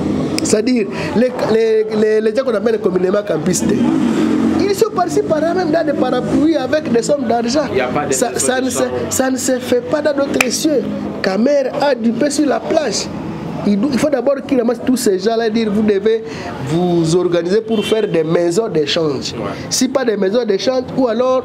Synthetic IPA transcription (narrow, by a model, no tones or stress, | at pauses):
se̥tadiʁ | lɛklɛlɛleʒãkɔ̃namɛ̃lkɔmynemãkãpist̪e | ilsɔ̃patsipalamɛ̃mdãdepaɾapyiavɛkdɛsɔmd̪aʁʒãsasansesansefɛpadãdot̪ɾesjø | kamɛɾadypesyʁlaplaʒ | iduifod̪abɔʁkilamãst̪usɛʒãladiʁvud̪eve | vuzɔʁɡanizepuɾfɛʁd̪ɛmɛzɔ̃d̪eʃãʒ | sipadɛmɛzɔ̃d̪eʃãʒualɔʁ